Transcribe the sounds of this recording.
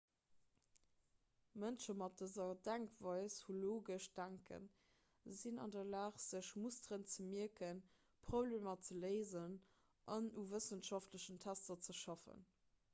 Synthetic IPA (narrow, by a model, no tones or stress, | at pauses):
mənʃəmɑt̚d̥əzɐdæŋkv̥ɑɪshuloːɡəʃd̥æŋkʰə̰n | zinɑ̰ndɐlaːχz̥əʃmusdʁənt͡səmiəkən | pʁobleːmɐt͡sələɪzən | ʔɑnuvəsənʃɑftləʃəntʰæstɐt͡səʃɑfə̰n